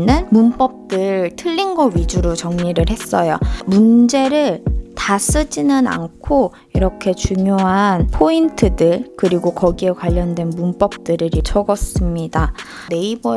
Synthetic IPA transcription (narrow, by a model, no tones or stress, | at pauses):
nɯnmunp͈ʌp̚t͈ɯɭtʰɯʎːinɡʌɥid͡ʑuɾot͡ɕʌŋɲiɾɯɭɦe̞s͈ʌjomund͡ʑe̞ɾɯɭtas͈ɯd͡ʑinɯna̰nkʰo | iɾʌkʰe̞t͡ɕuŋjoɦanpʰointʰɯdɯɭkɯɾiɡokʌɡie̞kwaʎːʌndwe̞nmunp͈ʌp̚t͈ɯɾɯɾit͡ɕʰʌɡʌs͈ɯmɲida | e̞ibʌ